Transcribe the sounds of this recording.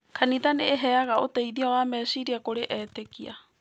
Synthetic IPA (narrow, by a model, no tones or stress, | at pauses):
kʰanitaneːɦɛaɣaʔotaiðiawamɛʃiɾiakoɾeʔɛtekia